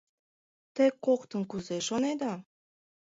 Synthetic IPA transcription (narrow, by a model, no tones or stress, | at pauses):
t̪ekːokt̪ənkuzeʃoned̪ɑ